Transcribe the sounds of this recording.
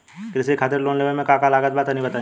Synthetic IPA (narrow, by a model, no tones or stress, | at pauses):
kɾɪsekʰaːt̪ɪɾloːnleʋəmẽkãːkalaːɡət̪̚bat̪anĩbɐt̪a